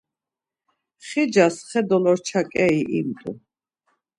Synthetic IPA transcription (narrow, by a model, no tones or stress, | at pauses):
χid͡ʒasχɛd̪ɔlɔɾt͡ʃʰakʼɛiʔimt̪ʼṵ